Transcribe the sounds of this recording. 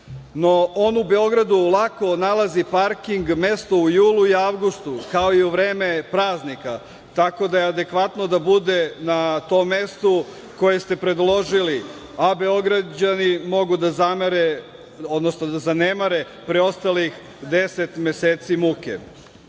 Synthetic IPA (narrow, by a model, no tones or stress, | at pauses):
no̞oːnube̞o̞ɡɾad̪ulˠako̞nalazipaɾkiŋɡme̞st̪o̞ujuːluiaʋɡust̪ukao̞iuʋɾeːme̞pɾaːznika | t̪ako̞d̪ajead̪e̞kʋat̪no̞d̪abud̪e̞nat̪o̞mːe̞st̪u | ko̞je̞st̪e̞pɾe̞d̪lo̞ʒili | abe̞o̞ɡɾad͡ʑanimo̞ɡud̪azameɾe | o̞d̪nosnod̪azanemaɾe̞ | pɾeo̞st̪alix | d̪e̞set̪me̞seːt̪simukḛ